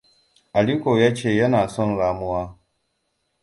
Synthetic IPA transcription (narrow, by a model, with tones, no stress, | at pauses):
ʔa˨liː˦kʷo˨jaː˦t͡ʃeː˦˨jɐ˦naː˨sɔ˦˨nɾaː˨mʊ˦waː˦